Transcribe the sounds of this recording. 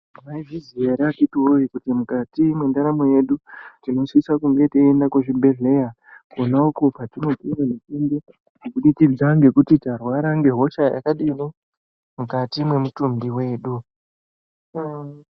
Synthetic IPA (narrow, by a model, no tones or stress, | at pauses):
maivizieɾatitioikutimukatimwendaɾamoje̞ɗutino̞sisakuŋɡe̞tiːndakweʐimbe̞ɮe̞ja | konaukopatino̞piwanet͡ʃinde | mokuɗitid͡zaŋɡe̞kutitarwaɾaŋɡe̞ɦo̞ʃaja̰kaɗino | mukatimwe̞mutumbiwe̞ːɗu